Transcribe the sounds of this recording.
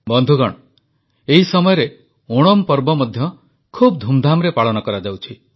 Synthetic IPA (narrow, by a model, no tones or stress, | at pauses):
bɔnd̪ʱuɡɔɽ̃ɔ | eɦisɔmɔjɔɾe | oɽ̃ɔmpɔɾbɔmɔd̪ʱjɔ | kʰub̚d̪ʱumd̪ʱamɾepaɭɔnɔkɔɾad͡ʒawt͡ʃʰi